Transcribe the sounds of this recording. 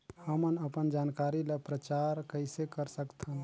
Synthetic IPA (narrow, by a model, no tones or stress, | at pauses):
həmənəpənd͡ʒaːnkaɾiləpɾət͡ʃaɾkəɪsekəɾsəkt̪ʰəm